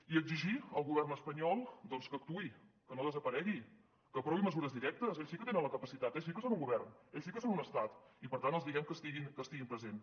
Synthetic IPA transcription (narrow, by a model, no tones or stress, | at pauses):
iəɡziʒiəlˠɣuβɛrnəspəɲɔlˠd̪ɔnskəːk̚t̪ui | kənoðəzəpəɾɛɣi | kəpɾɔβiməzuɾəzðiɾɛk̚t̪əseʎsikət̪enənləkəpəsit̪at̪es̬ikəsonuŋɡuβɛrneʎsikəsonunəst̪at̪ipəɾt̪ant̪əlˠzðiɣɛmkəst̪iɣinkəst̪iɣimpɾəzen